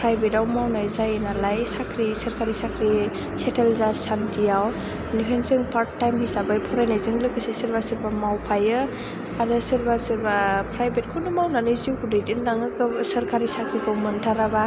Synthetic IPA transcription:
pʰɾajbetawmawnajzajnalajsakʰɾisɐɾkaɾisakʰɾi | setʰelzasantʰijaw | nikʰɯnzɯŋpʰaɾttːajmhisabajpʰɔɾajnazɯŋlɯkɯsisiɾbasɯɾbamawpʰajɯ | anɯsɯɾbasɯɾbapʰɾajbet̚kʰɔnɯmawnanɯjziwkʰudɯjdinlaŋɯkɯsɐɾkaɾisakʰɾikʰɔwmɯntʰaɾaba

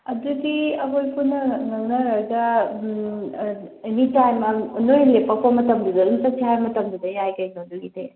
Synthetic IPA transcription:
ɐdudiɐɦojpʰunɐnɐnɐɾɐdɐ | ɐnitajmɐnojlepɐpomɐtɐmd̪udɐntɐtiajmɐtɐmd̪udɐjajɡɐjnoduɡite

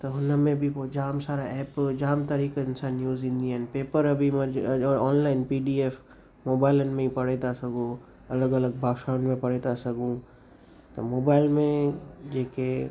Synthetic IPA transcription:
t̪oɦʊnamẽbʱipod͡ʒaːmsaːɾaɛːpd͡ʒaːmt̪aɾiːkaɪnsaːnːjuːzɪ̃nd̪ijənpeːpəɾɐbʱimɐɾd͡ʒɔːɾɔːnlaːɪnpiːɖiːeːf | moːbaːɪlənmẽipɐɽet̪asɐɡo | ɐləɡɐləɡ̚bʱaːkʃaːnmẽpɐɽet̪asɐɡũ | t̪omoːbaːɪlmẽd͡ʒeːke

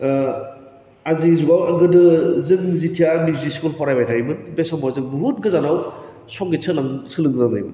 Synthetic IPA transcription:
azizuɡawaɡɯdɯzɯŋzitʰijanuziskulpʰɔɾajbajtʰaibɯnbesɔmbʰawzɯk̚buɦut̚ɡɯzanaw | sɔk̚ɡesʰɯlaŋsʰɯlɯŋɡnazajbɯ

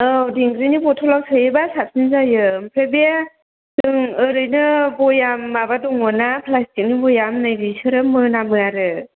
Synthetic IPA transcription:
ɯdiŋɡɾinibɔtʰɔlawsʰɯjebasap̚sinzajɯmpʰɾebe | dɯŋɯɾɯjnɯbɔjamːabadɔŋɔnapʰlastik̚nibɔjamnajbisɯɾɯmɯnamɯaɾɯ

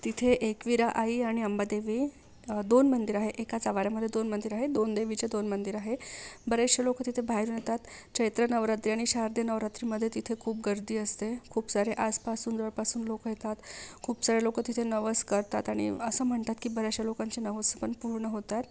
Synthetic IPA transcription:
t̪it̪ʰeʔekʋiɾaʔaiːaɽ̃iəmbad̪eʋiː | d̪onmənd̪iɾaɦeʔekat͡saʋaɾjaməd̪ʱːjed̪onmənd̪iɾaɦed̪ond̪eʋit͡ɕed̪onmənd̪iɾaɦebəɾaɕelokət̪it̪ʰebʱaɦjɾuːnjet̪at̪t͡ɕəjt̪ɾənəʋɾat̪ɾiaɽ̃iɕaɾd̪jenəʋɾat̪ɾiːməd̪ʱːjet̪it̪ʰekʰuːp̚ɡəɾd̪iːəst̪ekʰuːpsaɾeʔaspasuːnd͡zəʋəɾpasuːnlokəjet̪at̪kʰuːpsaɾelokət̪it̪ʰenəʋəskəɾt̪at̪aɽ̃ḭəsəːm̤əɳt̪at̪kibəɾjaɕjalokaɲt͡senəʋəspəɳpuɾɳəɦot̪at̪

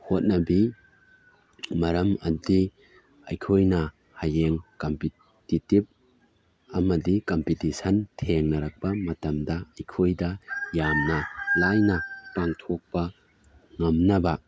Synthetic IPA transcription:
hot̚nɐbi | mɐɾɐmɐdi | ɐjkʰojnɐ | hajeŋkɐmpi | titib̚ | ɐmɐdikɐmpitisɐntʰeŋnɐɾak̚pɐmɐtɐmdɐɐjkʰojdɐjamnɐlajnɐpaŋtʰok̚pɐ | ŋɐmnɐbɐ

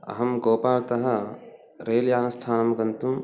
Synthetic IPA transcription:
ɐ̰ɦɐmɡoːpaːlt̪ɐɦɐ̆ | ɾeːljaːnɐst̪ʰaːnɐmɡɐnt̪um

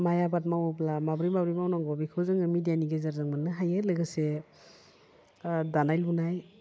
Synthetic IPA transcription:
majabat̚mawɯplamabɾimabɾimawnaŋɡɔbikʰɯwzɯŋɯmidijaniɡezaɾzɯŋmanːɯɦajɯlɯɡɯse | danajlunaj

